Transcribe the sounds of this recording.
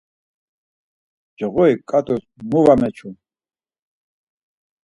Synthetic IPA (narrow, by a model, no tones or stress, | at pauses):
d͡ʒɛʁɔikʼat̪ɔsmuvamɛt͡ʃʰun